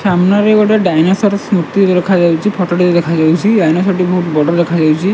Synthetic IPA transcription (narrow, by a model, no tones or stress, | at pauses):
samnaɾeɡɔʈaɖajnasɔɾɔsmut̪iɾd̪ekʰad͡ʒawt͡ʃʰipʰɔʈɔʈiɾd̪ekʰad͡ʒawt͡ʃʰiɖajnɔsɔʈibɔɦut̪bɔɽɔd̪ekʰad͡ʒawt͡ʃʰi